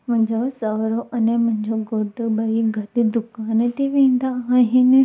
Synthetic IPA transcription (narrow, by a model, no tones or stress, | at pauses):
mɐ̃ɦɲd͡ʑosaːɾoʔɐnemʊ̃ɦɪ̃ɲd͡ʑoɡoːʈɓɐiɡʱɐɗd̪ʊkaːnt̪ʰiʋẽːnd̪aaːɦɪnɪ̆